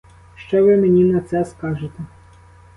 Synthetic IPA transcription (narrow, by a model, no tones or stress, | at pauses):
ʃt͡ʃɔʋɪmenʲinɐt̪sɛskɑʒɪt̪ɛ